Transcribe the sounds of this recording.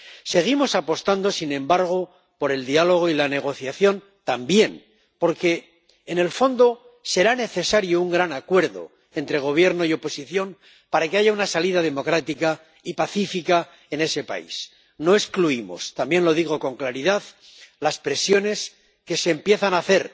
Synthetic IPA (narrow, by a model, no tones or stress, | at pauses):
se̞ɣ̞imo̞sapo̞st̪and̪o̞sinẽ̞mbaɾɣ̞o̞ | po̞ɾe̞ld̪ialo̞ɣ̞oilane̞ɣ̞o̞θjaθjo̞n | t̪ambje̞n | po̞ɾke̞ː | ne̞lfo̞nd̪o̞ | se̞ɾane̞θe̞saɾjouŋɡɾanakwe̞ɾðo̞̰ | e̞nt̪ɾe̞ɣ̞o̞β̞je̞ɾno̞io̞po̞siθjo̞n | paɾake̞aʝaunasaliðað̞e̞mo̞kɾat̪ika | ipaθifika | e̞ne̞se̞pa̰ḭs | no̞e̞skluimo̞̰st̪ambje̞nlo̞ðiɣ̞o̞ko̞ŋklaɾiðað | laspɾe̞sjo̞ne̞s | ke̞se̞ːmpje̞θanaθe̞ɾ